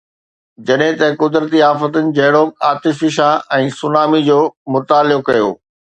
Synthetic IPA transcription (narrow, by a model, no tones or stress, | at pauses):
d͡ʑɐɗɦɪ̃t̪ɐkʊd̪ɾət̪iaːfət̪ənɪ̆d͡ʑɐɦɪɽokaːt̪ɪfɪʃaɛ̃ːsʊnaːmid͡ʑoːmʊt̪aːlɪjokɐjo̰ː